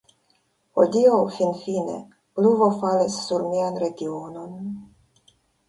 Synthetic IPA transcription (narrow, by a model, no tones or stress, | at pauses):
hod̪iowfinfinḛ | pluvofalisːuɾmianɾe̞ɡiono̞n